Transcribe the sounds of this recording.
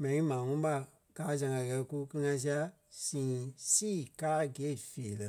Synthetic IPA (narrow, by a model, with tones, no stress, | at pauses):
mɛ̃˨nĩ˦mãː˨ŋũ˦ɓa˦˨ | kaː˨˦zã˨ɡã˨ɣɛ˧˨ku˦kɨ˦ɨ˧ŋã˧s̬i˦a˧ | sĩː˨siː˦˨kaː˦ɡeː˨˦˨feː˨lə˨